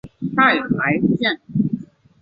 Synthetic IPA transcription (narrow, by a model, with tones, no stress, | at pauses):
t̪a˥˩ɪ˨˩pʰa˨˥ɪ˥˧t͡ɕjɛ˥˨n